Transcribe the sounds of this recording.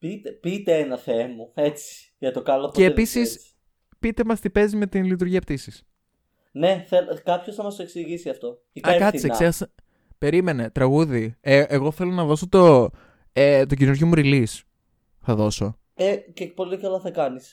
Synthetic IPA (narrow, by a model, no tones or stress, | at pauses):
pit̪epit̪eenɐθemɐe̞t͡si̥ | ʝɐt̪okɐlopeːpisis | pit̪e̞mɐst̪ipe̞zime̞t̪inlit̪̬uɾʝiɐpt̪isis | ne̞θelkɐpço̞sθɐmɐst̪oeksiʝisiɐft̪o̞ | iɐekɐt̪iseksexɐsɐ | pe̞ɾime̞ne̞t̪ɾɐɣuðieʔeɣo̞θe̞lo̞nɐðo̞sot̪o̞ | et̪o̞ɟinuɾʝomuɾilis | θɐðo̞so̞ | eceːk̚polit̪ocɐlɐθɐkɐnis